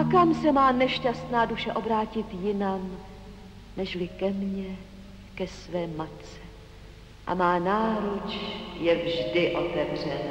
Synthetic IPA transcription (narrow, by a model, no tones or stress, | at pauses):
ʔʔakamsɛmaːnɛʃcast̪naːduʃɛʔo̞bɾaːcɪt̪jɪnam | nɛʃlɪkɛmɲɛ | kɛsvɛːmat̪t͡sɛ | ʔa̰maːnaːɾut͡ʃjɛvʒdɪʔo̞t̪ɛvr̝ɛna